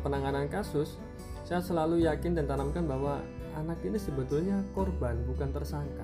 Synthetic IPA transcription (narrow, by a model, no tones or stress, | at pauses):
pənaŋanankasʊsː | ajasəlalujakɪndant̪anamkanbahwa | a̰nakinisəbət̪ʊlɲakɔrbanbukant̪ərsaŋka